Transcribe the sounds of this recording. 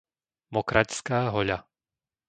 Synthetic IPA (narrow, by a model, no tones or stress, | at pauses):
mɔkɾʔacskaːɦɔʎa